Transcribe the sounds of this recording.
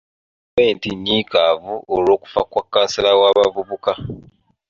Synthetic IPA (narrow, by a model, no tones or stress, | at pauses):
weːntiɲːikaːvuolo̞ːku̥fakwakːasilawaːβavuβuka